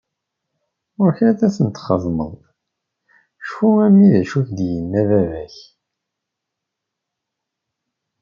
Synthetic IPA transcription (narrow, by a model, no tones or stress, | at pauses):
ʊɾçæθæθənt̪χəzˤmə̰ðˤ | ʃfuæmːiðæʃuçd̪jənːævævæç